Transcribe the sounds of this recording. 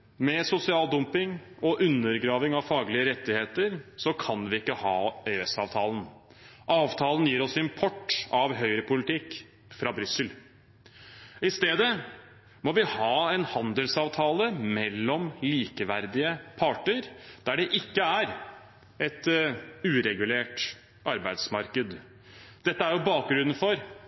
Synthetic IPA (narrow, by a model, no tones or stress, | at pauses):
mɛsʊsɪɑːld̪ʊmpɪŋɔʔʉnːəɾɡɾɑːʋɪŋɑʋfɑːɡlɪəɾɛt̪ːɪheːt̪əɾsɔkʰɑnʋɪɪkːəhɑːeɛsɑ̰ːʋt̪ʰɑːlən̩ | ʔɑːʋt̪ʰɑːlənjiːɾɔsɪmpʰɔʈːɑʋɦœʏɾəpʰʊlɪt̪ɪkː | fɾɑbɾʏsəl | ɪst̪eːd̪ə | mɔʋɪhɑːɛnhɑnd̪əlsɑːʋt̪ʰɑːləmɛlːɔmliːkəʋæɾd̪ɪəpʰɑʈəɾd̪̥æɖɛʔɪkːəæɾ | ɛt̪ʉːɾɛɡʉleːʈ | ʔɑɾbæɪd̪smɑɾkəd̪ | d̪̥ɛt̪ːəæɾjʊbɑːk̚ɡɾʉnən̩fɔɾ